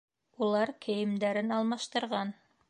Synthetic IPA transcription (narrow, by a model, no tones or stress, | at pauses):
ulˠɑɾkʰɘ̆jɘ̆md̪æɾɘnɑlˠmɑʃt̪ɤ̆ɾʁɑn